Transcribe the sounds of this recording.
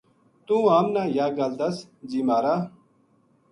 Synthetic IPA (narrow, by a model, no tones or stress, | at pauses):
t̪ũːaːmnaːjaːɡald̪ɐsd͡ʑiːmaːɾa